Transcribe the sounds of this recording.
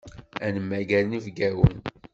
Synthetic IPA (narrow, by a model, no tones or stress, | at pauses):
ænəmːæɡælnivɡæwə̰n